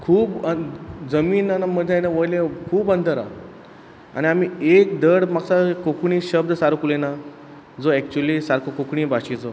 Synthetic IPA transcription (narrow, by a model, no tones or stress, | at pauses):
kʰuːbəd͡zəmiːnanaməd̪ʱjajnaʋojlẽkʰuːbənt̪əɾa̰ | a̰ɽ̃iam̤iekd̪əɽmaksakokɳiɕəbd̪saɾkulena | d͡zoɛkt͡ɕuəlisaɾkʰokokɳĩbaɕit͡so